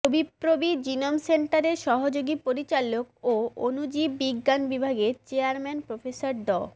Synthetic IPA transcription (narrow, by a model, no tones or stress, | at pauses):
obʱipɾobid͡ʑinomseɳʈaɾeɾʃɔɦod͡ʑoɡipoɾit͡ɕalokoonud͡ʑibːiɡːanbibʱaɡet͡ɕeaɾmɛnpɾofʰesaɾɖɔ